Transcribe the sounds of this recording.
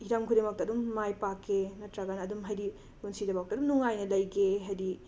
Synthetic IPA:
hiɾamkʰudemak̚tɐdumːajpakːenɐtɾaɡanɐːdumɦajɾi | ɡunsidɐbawk̚tɐdumnuŋajnɐlɐjɡeɦajdi

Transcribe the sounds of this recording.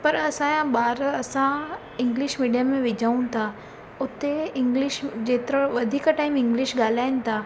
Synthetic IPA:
pɐɾɐsãjãbaːɾɐsã | ɪ̃ŋɡlɪʃmiːɖijamẽʋɪd͡ʑʱaːũnɪ̆t̪ʰa | ʊt̪ːeɪ̃ŋɡlɪʃd͡ʑeːt̪ɾəʋɐd̪ʱiːkaʈaːɪmɪ̃ŋɡlɪʃɡaːl̤aːɪnɪ̆t̪ʰaː

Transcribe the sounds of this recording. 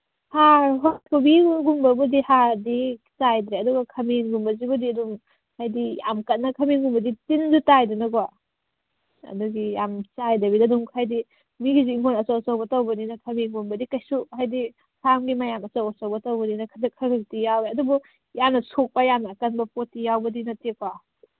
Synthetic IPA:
haɾɦɔkʰubiɡumbɐbudihaɾdi | sajdɾeɐdɔɡɐkʰɐminɡumbɐzibudiɐduŋ | hajdija̰mkɐt̚nɐkʰɐminɡumbɐditinzutajdinɐɡɔwa | ɐ̰duɡijamt͡ʃajdɐbidaduŋkʰajdi | miɡiziiŋɡʰonɐsawsawbɐtawbɐninɐkʰɐmiŋɡumbɐdikɐjsuhajdi | kʰamɡimajamɐsawɔsawbɐtawbɐninɐkʰadɐkʰɐɡɐtijawɾeɐdubu | janːɐsʰok̚pajamnɐːkɐnbɐpotijawbɐdinɐtepʰa

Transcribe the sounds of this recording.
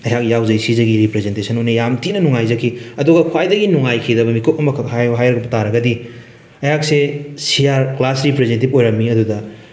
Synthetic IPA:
ɐjɦak̚jawzɐjsizɐɡiɾipɾezentesʰɐnojnejamtinɐnuŋajzɐkʰːiɐduɡɐkʰwajdɐɡinuŋajkʰidɐbɐmikop̚ɐmɐkʰhajɦajɾɐɡɐbɐtaɾɐɡɐdi | ɐjhak̚sesijaɾklasɾipɾezentipojɾɐmːiɐdudɐ

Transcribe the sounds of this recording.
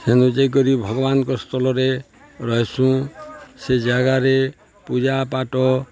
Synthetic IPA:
senũd͡ʒek̬ɔɾibʱɔɡɔbanɔkɔst̪ʰɔlɔɾe | ɾɔɦesũsed͡ʒaɡaɾe | pud͡ʒapaʈɔ

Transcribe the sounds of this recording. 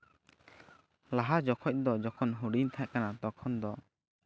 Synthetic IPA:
laɦad͡ʒɔkʰɔc̚d̪ɔd͡ʒɔkʰɔnɦuɽint̪ʰaʔkanat̪ɔkʰɔnd̪ɔ

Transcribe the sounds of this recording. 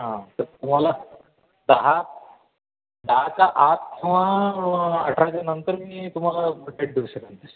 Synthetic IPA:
ɦãt̪əɾt̪um̤ala | d̪əɦa | d̪əɦat͡ɕaʔat̪̚kiw̃ʋa | əʈʰɾat͡ɕanənt̪əɾmiːt̪um̤alaboʈeʈ̚d̪ʱiʋɕəknənt̪əɾ

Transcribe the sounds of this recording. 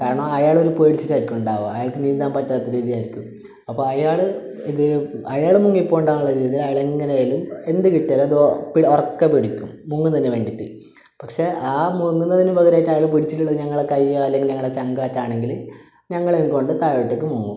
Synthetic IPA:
kaːɾɐɳoɐjaːɭo̞ɾupeːɽit͡ɕːitːaːiɾikʲːumuɳɖaːʋoɐjaːɭkɨniːnd̪aːmpɐtːaːt̪ːiɾiːðijaːjiɾikʲːum | ɐpːoːɐjaːɭɨ | iðɨɐjaːɭmuŋːipːoːuɳɖaːuɭːɐɾiːiðilɐjaːɭeŋːɐnejalume̞nd̪ɨkiʈːaːlɐðpiɽorɐkːepiɽikʲːumːuŋːunɐinːeʋeɳɖit̪ːi | pɐkʂe̞ʔaːmuŋːunːɐðinɨʋɐɣɐɾaːjtːɐjaːɭumpiɽit͡ɕːitːuɭːɐðɨɲɐŋːɐɭekɐjːaːlːeŋɡɨɲɐŋːɐɭɽet͡ɕɐŋɡaːtːaːɳe̞ŋɡil | ɲɐŋːɐɭejumko̞ɳɖɨt̪aːʋiʈːek̬ʲːɨmuŋːu

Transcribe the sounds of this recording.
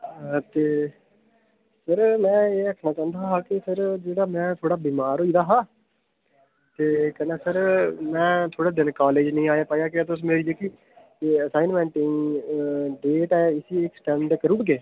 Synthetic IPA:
t̪eː | səɾmɛ̃ːeːəkʰnaːt͡ʃãːnd̪aːɦaːkɪpʰɪɾd͡ʒeːɽaːmɛ̃ːt̪ʰoːɽaːbiːmaːɾoːiːd̪aːɦaː | t̪eːkɛneːsəɾmɛ̃ːt̪ʰoːɽaːd̪ɪnkaːleːd͡ʒnəĩːaːjaːpaːjaːkɪɛːt̪̬ʊs̬meːɾiːɛːki | eːəsaːɪnmɛ̃ːɳʈɪŋ | ɖeːʈɛːɪsiɪksʈɛ̃ːɳɖkəɾuːɽɡeː

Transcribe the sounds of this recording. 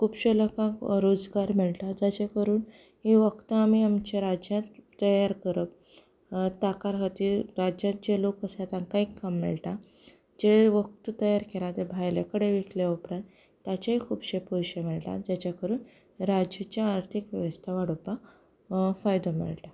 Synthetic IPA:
kʰuːbɕelɔkakɾod͡zɡaɾmiɭʈad͡zat͡ɕakəɾuːn | ɦiʋəkt̪əamiamt͡ɕeɾad͡ʑjãt̪ːəjaɾkəɾəp̚ | t̪akaɾɦət̪iːɾɾad͡ʑjãt̪̚d͡ʑelokəsat̪ãŋkaikːamːɛ̰ɭʈa | d͡ʑeʋək̚t̪ət̪əjaɾkelat̪ebʱajlḛkəɽeʋikleupɾãn | t̪jat͡ɕaɦikʰuːbɕepɔjɕemɛɭʈa̰d͡ʑat͡ɕakəɾuːn | ɾad͡ʑjat͡ɕjaːɾt̪ʰikʋəʋəst̪ʰaʋaɽoba | fajd̪omɛ̰ɭʈa

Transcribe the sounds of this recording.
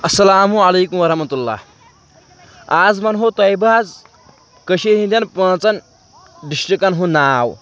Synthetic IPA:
ɐsːɐlaːmualejkumʋɐɾɐhmɐt̪ulːa̰ | ad͡zmɐnɦot̪ajbəad͡z | kəɕeɦĩnd̪ʲjanpunat͡san | ɖisʈikanɦũnaːw

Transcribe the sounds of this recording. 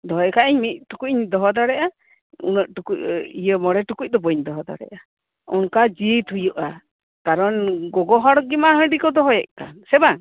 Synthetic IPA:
d̪ɔɦɔjɛʔkaʔɛɲmit̪̚ʈukuɲd̪ɔɦɔd̪aɾɛʔa | ṵnəʔʈukucijəmɔɽɛʈukuc̚d̪ɔbɔɲd̪ɔɦɔd̪a̰ɾɛ̰ʔa | ɔnkad͡ʒit̪ʰujuʔa | kaɾɔnɡɔɡɔɦaɽɔɡimaɦə̃ɖikɔd̪ɔɦɔjɛʔ̚kansɛbaŋ

